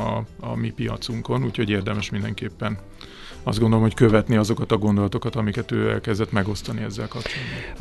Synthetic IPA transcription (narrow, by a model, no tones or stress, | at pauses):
ɒ̰ɒmipijɒ̰t̪suŋko̞nuːcho̞ɟeːrd̪ɛmɛʃmind̪ɛŋkeːpːɛn | ɒzdɡo̞nd̪olomho̞ckøvɛt̪niɒzo̞kɒt̪ɒɡo̞nd̪o̞lɒt̪o̞kɒt̪ɒmikɛt̪øːɛ̰lkɛzd̪ɛt̪mɛɡo̞st̪ɒniɛzːɛlkɒpt͡ʃolːi